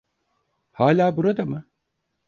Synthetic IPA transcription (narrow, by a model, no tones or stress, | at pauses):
haːlʲaːbuɾad̪amɯ